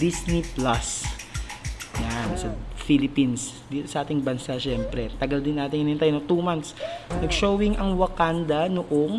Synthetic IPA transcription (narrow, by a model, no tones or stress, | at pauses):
d̪isnɪplas | jansɐfilɪpins | d̪iːt̪osɐʔaːt̪ɪŋbɐnsaʃɛmpɾɛt̪ɐɡɐld̪ɪnːaːt̪ɪŋɪnɪnt̪ajnot̪uːmant̪snɐɡʃowɪŋʔɐŋwɐkand̪ɐnoʔoŋ